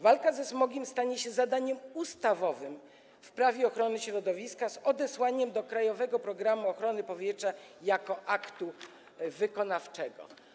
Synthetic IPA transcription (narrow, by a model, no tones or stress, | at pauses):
valkazɛsmɔɡʲimst̪aɲɛɕɛzad̪aɲɛmust̪avɔvɘm | fpɾavʲɛɔxɾɔnɘɕɾɔd̪ɔvʲiskazɔd̪ɛswaɲɛmd̪ɔkɾajɔvɛɡɔpɾɔɡɾamuɔxɾɔnɘpɔvʲjɛtʂajakɔʔakt̪u | vɘkɔnaft͡ʂɛɡɔ̰